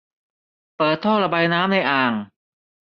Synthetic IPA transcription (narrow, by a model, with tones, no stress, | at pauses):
pɤː˨˩t̪ʰːoː˥˩ɾa˧baː˧jnaː˦˥mna˧jʔaː˨˩ŋ